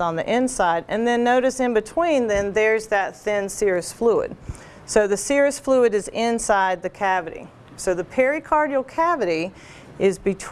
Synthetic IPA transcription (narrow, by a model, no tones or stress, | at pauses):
n̩ðḭʔɪ̃nsaɪɾɨ̰̃nðɨ̃nːoʊɾɨsɨ̃nbɨtʰw̥ĩnðɨ̃nðə˞zðɨt̪̚θɪ̃nsɪɹɨsfluɨ̰d̥̚ | soʊðɨsɪɹɨsfluɨɾɨzɪ̃nsaɪd̪̚ðɨkʰævɨɾḭ | soʊðɨpʰɛɹikʰɑɹɾil̩ˠkʰævɨɾi | ɪzbɨtʰ